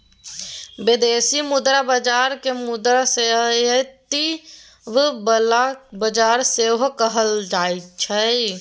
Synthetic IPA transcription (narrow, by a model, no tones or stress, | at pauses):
bed̪eːsimʊd̪ɾabəd͡ʒaːɾkemʊd̪ɾasejət̪i | ʋbəlabəd͡ʒaːɾseɦokəɦəld͡ʒaːit͡ʃʰɛ